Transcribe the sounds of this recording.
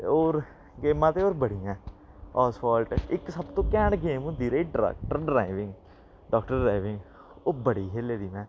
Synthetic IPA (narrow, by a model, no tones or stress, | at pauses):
oːɾ | ɡeːmãːt̪eːoːɾbəɽiːjãː | ɔːsfʰaːlʈɪksəbt̪õːkɛːɳɡeːmũːd̪iːɾəiːɖɾɛ̰ːk̚ʈəɾɖɾaːɪʋɪ̃ŋɡ | ɖɔːkʈəɾːaːʋɪ̃ŋɡ | oːbəɽiːɦeːleːɾiːɛ̃ː